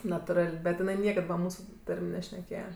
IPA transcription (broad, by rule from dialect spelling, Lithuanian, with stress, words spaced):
nɐtʊˈrɐlʲ bʲɛt jɪˈnɐɪ ˈnʲiɛkɐt ʋɐ ˈmuːsʊ ˈtɐrʲmʲ nʲɛʃʲnʲɛˈkʲeːjɛ